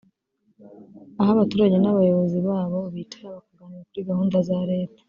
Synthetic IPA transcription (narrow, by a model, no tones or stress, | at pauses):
ahaβatuːɾaɟe̞naβajo̞βo̞ziβaːβo̞βiːtʰaɾaβakuɡaniɾakuɾiɡahuːndazaɾe̞ːtḁ